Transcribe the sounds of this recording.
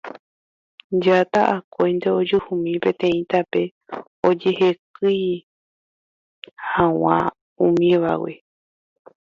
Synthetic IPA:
d͡ʒat̪aʔakojnd̪e̞od͡ʒuhũmĩpẽ̞t̪ẽ̞ĩt̪ape̞ | o̞d͡ʒe̞he̞kɨj | hãw̃ã | ũmĩʋa̰wḛ

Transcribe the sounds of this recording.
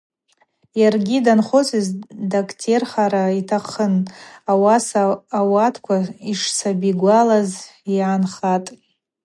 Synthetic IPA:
jarɡʲidanχot͡sʰʼizdakʰʼtʰerχaɾaitʰaχənawasaːwatʰkʷʰaiʂt͡sʰabiɡʷalazjaanχatʼ

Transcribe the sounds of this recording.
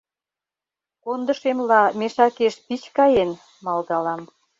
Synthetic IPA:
kond̪ə̆ʃemlɑmeʃɑkeʃpit͡ɕkɑjen | mɑld̪ɑlɑm

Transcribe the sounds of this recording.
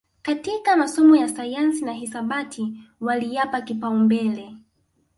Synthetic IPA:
katikamasɔmɔjasajansinaɦisaɓatʰiwalijapakipaumbɛlɛ

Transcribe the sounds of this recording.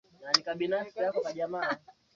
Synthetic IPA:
nanikaɓinafsijakɔkaʄama

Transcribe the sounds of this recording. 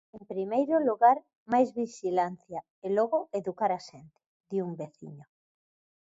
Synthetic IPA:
empɾimejɾʊluɣaɾ | majzβiʃilanθja | elɔɣʊeðukaɾaʃent̪ɪ̥ | ðiuŋbeθḭɲo

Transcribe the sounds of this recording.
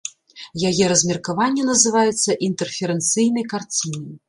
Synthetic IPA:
jajɛɾɐzʲmʲɛrkavanʲːɛnɐzɨvajɛt̪sːɐʔint̪ɛrfʲɛɾɛnt̪sɨjnɐjkart͡sʲinɐj

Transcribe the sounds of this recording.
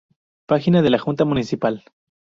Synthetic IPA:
paxinaðelaxunt̪amunisipal

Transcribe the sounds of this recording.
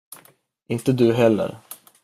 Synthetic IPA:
ʔɪnt̪əd̪ɵɦɛlːə̰ɾ

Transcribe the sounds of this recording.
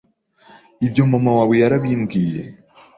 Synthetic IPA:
ibjo̞mamawaːβwejaɾaβiːŋɡiːjḛ

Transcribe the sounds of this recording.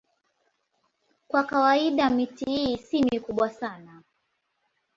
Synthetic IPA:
kwakawaiɗamitihiːsimikuɓwasana

